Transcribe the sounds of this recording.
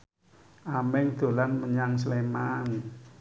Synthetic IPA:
ʔamɛŋd̪̥o̤lanməɲaŋslemaŋ

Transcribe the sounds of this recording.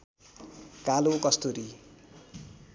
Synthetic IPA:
kalokʌst̪oɾi

